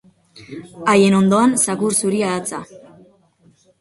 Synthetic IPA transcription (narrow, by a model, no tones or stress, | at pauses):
aje̞no̞nd̪o̞ansakuɾsuɾiaðat͡sa